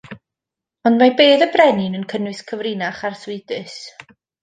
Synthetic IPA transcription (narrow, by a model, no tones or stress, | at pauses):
ɔndmabeːðəbrɛnɪnənkʰənwɨskʰəvrinaχarswɪdɨs